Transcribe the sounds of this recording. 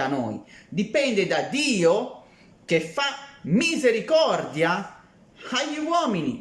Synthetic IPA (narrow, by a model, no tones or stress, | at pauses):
anɔ̰ːjd̪ipɛnd̪ɛd̪ad̪iːo | kefːamizeɾikɔɾd̪ja | aʎiwɔːmini